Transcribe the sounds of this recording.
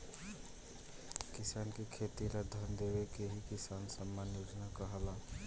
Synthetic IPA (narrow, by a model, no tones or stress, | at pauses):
kɪsaːnkekʰet̪ilad̪ʱənd̪eːwekeɦikɪsaːnsəmːanjoːd͡ʒnakəɦəla